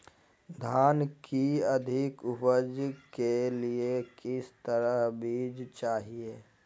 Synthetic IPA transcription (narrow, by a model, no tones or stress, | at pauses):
d̪ʱaːnkiəd̪ʱɪkʊpəd͡ʒkeliekɪst̪əɾəɦbiːd͡ʒt͡ʃaːɦieː